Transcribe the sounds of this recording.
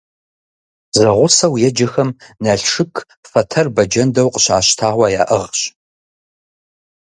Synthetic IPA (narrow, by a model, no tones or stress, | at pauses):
zɐʁʷʊsɐwjɛd͡ʒɐxɐmnɐɬʂɨkʰ | fɐtʰɐrbɐd͡ʒɐndɐwqʼəɕaːɕtʰaːʁʷɑja̰ːʔəʁɕ